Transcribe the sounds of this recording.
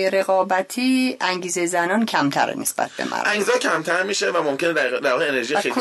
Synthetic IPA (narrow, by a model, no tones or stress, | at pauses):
jeɾe̞ɣɒːbæt̪ʰiːæŋɟiːzezænɒːncʰæmt̪ʰæ̰ɾ̰nesb̥æ̰t̪̚ʰbḛmʔæ̰ɾʔæŋɡzɒːcʰæmt̪ʰæɾmiʃevæmo̞mcʲʰened̪æd̪æɾvɒːɣeene̞ɾʒijeekʰo